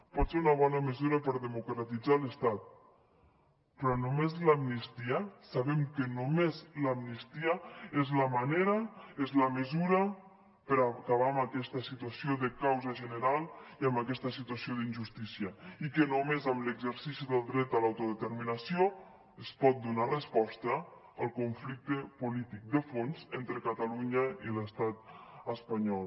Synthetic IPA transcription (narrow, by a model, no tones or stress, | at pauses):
pɔt̪seɾunɐβ̞ɔnəməzuɾɐpəɾðəmukɾat̪id͡zaləst̪at̪̚ | pɾɔnomezlamnist̪iasaβɛmkənomezlamnist̪iaezlamaneɾaezlaməzuɾə | pəɾakaβ̞aːmakɛst̪əsit̪wasioðəkawzaʒənəɾalˠiəmbəkɛst̪əsit̪uəsioðinʲʒust̪isiəikənomezəmləɡzəɾsisiðəlˠd̪ɾɛt̪̚əlawt̪uðət̪əɾminəsio | əspɔt̪̚d̪unarəspɔst̪ə | əlˠkuɱflik̚t̪əpulit̪ik̚d̪əfonzent̪ɾəkət̪əluɲəiləst̪at̪əspɐɲɔl